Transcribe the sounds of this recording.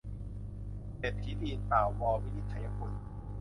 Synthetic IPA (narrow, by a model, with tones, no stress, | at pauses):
se˨˩t̪̚ʰːi˦˥diː˧np̪aː˨˩wwɔː˧wi˦˥t̪i˨˩t̪ʰːa˧ja˦kʰu˧n